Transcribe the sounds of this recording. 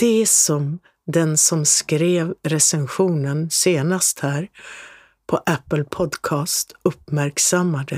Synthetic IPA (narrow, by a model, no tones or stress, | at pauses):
d̪̥ɛsɔm | d̪ɛnsɔmskɾeːvɾɛsɛnɧuːnənseːnast̪hæːɾ | pʰɔʔæpːəlpʰɔd̪kʰɑːst̪ɵpmæɾksamːad̪ə